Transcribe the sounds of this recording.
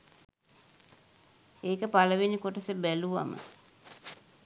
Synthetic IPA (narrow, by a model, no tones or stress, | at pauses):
eːkəpaləʋenːikoʈəsəbæluʋa̰mə̰